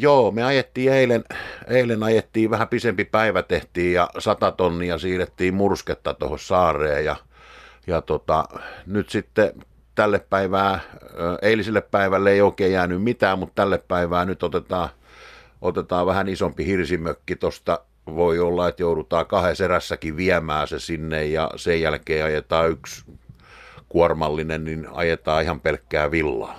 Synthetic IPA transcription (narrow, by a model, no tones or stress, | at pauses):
joːmeɑjet̪ːiːeileneilenɑjet̪ːiːʋæhæpisempipæiʋæt̪eht̪iːjjɑsɑt̪ɑt̪onːiɑsiːret̪ːiːmmursket̪ːɑt̪o̰hossɑːrˑḛːjɑ̰ | jɑt̪ot̪ɑ̰nyt̪sit̪ːe | t̪ælːeppæiʋæː | eiliselːeppæiʋælːeeˑioˑikeːjæːnymmit̪æːmmutt̪ælːeppæiʋæːnyt̪ot̪et̪ɑː | ʔot̪et̪ɑːʋæhænisompihirsimøkːit̪ost̪ɑ | ʋoiolːɑet̪jouɾut̪ɑːkɑheseræsːækiʋiæmæːsesinːejjɑ̰sejjælkeːɑjet̪ɑːyks | kuɔrmɑlːinenninɑ̰jet̪ɑːihɑmpelkːæːʋilːɑ̰ː